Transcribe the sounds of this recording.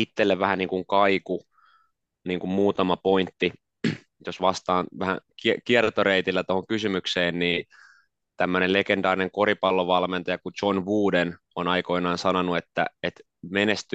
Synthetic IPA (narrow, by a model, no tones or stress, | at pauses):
it̪ːelːeʋʋæhæniːŋkuŋkɑiku | niːŋkummuːt̪ɑmɑpoint̪ːi | josʋɑst̪ɑːnʋæhæ̰kikiert̪oɾeit̪ilːæt̪ohoŋkysymykseːnniː | t̪æmːønelekend̪ɑːɾineŋkoɾipɑlːoʋɑlment̪ɑjɑkut͡ʃonʋuːden | onɑikoinɑːnsɑnonuet̪ːæ̰et̪ | menest̪y